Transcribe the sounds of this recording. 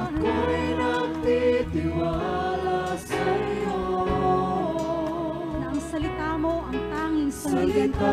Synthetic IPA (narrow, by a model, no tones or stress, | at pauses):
kojnɐɡ̚t̪it̪ɪwalasɐijo | nɐʔɐŋsɐlɪt̪amoʔɐŋt̪aːŋɪnsɐɐɪn